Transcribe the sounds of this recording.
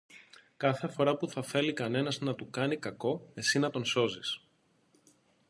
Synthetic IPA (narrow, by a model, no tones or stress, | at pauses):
kɐθefo̞ɾɐpuθɐθe̞likɐne̞nɐznɐt̪ukɐnikɐko̞e̞sinɐt̪o̞nso̞zis